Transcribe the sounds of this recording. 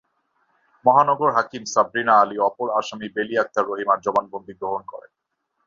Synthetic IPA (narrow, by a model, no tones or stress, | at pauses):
mɔɦanɔɡoɾɦakimsabɾinaaliɔpoɾaʃamibeliak̚t̪ʰaɾːoɦimaɾd͡ʑɔbanbond̪ʱiɡɾoɦonkɔɾḛ